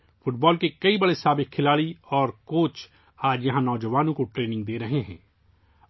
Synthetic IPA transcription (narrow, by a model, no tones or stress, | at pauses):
fʊʈ̚bɔːlkekɐibɐɽesaːbɪk̚kʰɪlaːɭiɔːɾkoːt͡ʃ | aːd͡ʒjɐɦãnɔːd͡ʒɐʋaːnõkoʈɾeːnɪ̃ŋɡ̚d̪eːɾɐɦeɦɛ̰̃ː